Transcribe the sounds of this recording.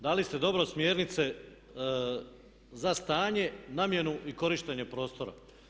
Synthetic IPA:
d̪alist̪e̞d̪o̞bɾo̞smjeɾnit̪se̞ | zast̪aːɲe̞naːmje̞nuʔiko̞ɾiʃt̪eɲe̞pɾo̞ːst̪o̞ɾa̰

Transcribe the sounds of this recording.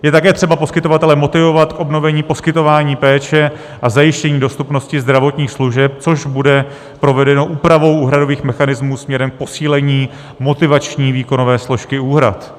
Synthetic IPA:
jɛt̪akɛːt̪r̥ɛbapo̞skɪt̪o̞vat̪ɛlɛmot̪ɪvo̞vat̪kʔo̞bno̞vɛɲiːpo̞skɪt̪o̞vaːɲiːpɛːt͡ʃɛ | ʔazajɪʃcɛɲiːdo̞st̪upno̞scɪzd̪ɾavo̞t̪ɲiːxsluʒɛp̚t͡so̞ʒbudɛ | pɾo̞vɛdɛno̞ʔuːpɾavo̞wʔuːɦɾado̞viːxmɛxanɪzmuːsmɲɛɾɛmk̚po̞siːlɛɲiː | mo̞t̪ɪvat͡ʃɲiːviːko̞no̞vɛːslo̞ʃkɪuːɦɾa̰t̪

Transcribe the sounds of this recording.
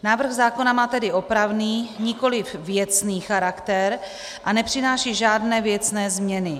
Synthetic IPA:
naːvr̩ɣzaːko̞namaːt̪ɛdɪʔo̞pɾavniːɲɪko̞lɪfvjɛt͡sniːxaɾakt̪ɛɾ | ʔanɛpr̝̥ɪnaːʃiːʒaːdnɛːvjɛt͡snɛːzmɲɛnɪ

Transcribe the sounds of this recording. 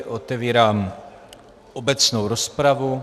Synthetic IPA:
ʔot̪ɛviːɾaːm | ʔobɛt͡snowɾospɾavu

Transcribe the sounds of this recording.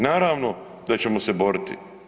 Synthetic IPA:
naːɾaːʋno | d̪at͡ɕemoseboɾit̪ḭ

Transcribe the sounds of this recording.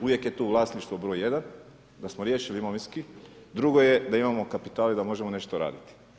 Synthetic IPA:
uʋje̞kjet̪uːʋlˠaːsniʃt̪ʋobɾoje̞d̪an | d̪asmoɾjeːʃilimoʋiski | d̪ɾuɡo̞jed̪aimamokapi̥t̪aːlid̪amo̞ʒemo̞ne̞ʃt̪oɾa̰ːd̪it̪i̥

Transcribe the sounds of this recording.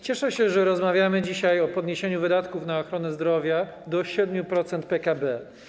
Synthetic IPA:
t͡ɕɛʂɛɕɛʐɛɾɔzmavʲjamɘd͡ʑiɕajɔpɔd̪ɲeɕeɲuvɘd̪at̪kufnaɔxɾɔnɛzd̪ɾɔvʲja | d̪ɔɕɛd̪mʲjupɾɔt̪sɛnt̪̚pɛkabɛ

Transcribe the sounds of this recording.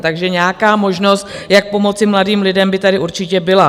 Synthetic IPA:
t̪aɡʒɛɲɛaːkaːmo̞ʒno̞st̪jak̚po̞mo̞t͡sɪmladiːmlɪdɛmbɪt̪adɪuɾt͡ʃɪcɛbɪla

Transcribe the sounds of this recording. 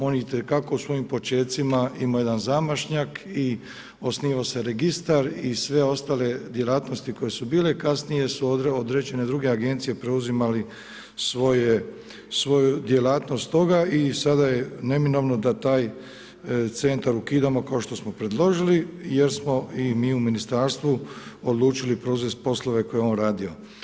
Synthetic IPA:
o̞niit̪ekako̞usʋo̞jimpo̞t͡ʃe̞ːt̪simaimoje̞d̪anzamaʃɲaki | o̞sniːʋase̞ɾeɡist̪aɾisʋe̞o̞st̪ale̞d̪je̞laːt̪no̞st̪iko̞je̞subiːle̞kasnije̞suood̪ɾe̞d͡ʑe̞ne̞d̪ɾuɡe̞aɡe̞nt̪sije̞pɾe̞uzimali | sʋo̞je | sʋo̞jud̪je̞laːt̪no̞st̪ːo̞ɡaisad̪ajene̞mino̞ʋno̞d̪at̪aːj | t̪se̞nt̪aɾukiːd̪amo̞kao̞ʃt̪o̞smo̞pɾe̞d̪lˠo̞ʒilijeɾsmo̞imiːuminist̪aːɾst̪ʋuod̪lˠuːt͡ʃilipɾouzest̪̚po̞slˠo̞ʋe̞ko̞jeo̞ːnɾaːd̪ijo̞

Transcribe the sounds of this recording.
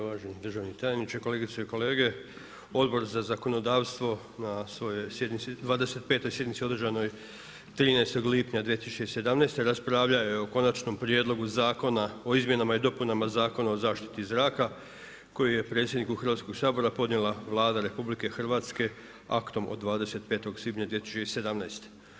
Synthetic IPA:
oʋaːʒenid̪rʒaʋnit̪ajenit͡ʃeko̞le̞ɡit̪seiko̞le̞ːɡe̞ | o̞d̪bo̞ɾzazako̞no̞d̪aːʋst̪ʋo̞ | nasʋo̞jo̞jsjed̪nit̪sid̪ʋaːd̪ese̞t̪̚pe̞ːt̪o̞jsje̞d̪nit̪sio̞d̪rʒano̞j | t̪ɾiːneest̪o̞ɡlipɲad̪ʋijet̪isu̥t͡ʃeise̞d̪amnejst̪e̞ɾaspɾaʋʎajeoko̞nat͡ʃno̞mpɾje̞d̪lo̞ɡuzaːko̞nao̞izmʲje̞namaid̪o̞punamazaːko̞nao̞zaːʃt̪i̥t̪izɾaːka | ko̞jije̞pɾe̞tsjed̪nikuxɾr̩ʋat̪sko̞ɡsaːbo̞ɾapo̞d̪nʲe̞lˠaʋlˠaːd̪aɾe̞publike̞xr̩ʋaːt̪ske̞ | a̰kt̪o̞mʔod̪ːʋaːd̪e̞se̞t̪̚pe̞ːt̪o̞ɡsliːpɲad̪ʋiet̪i̥sut͡ʃeise̞d̪amnajst̪e̥

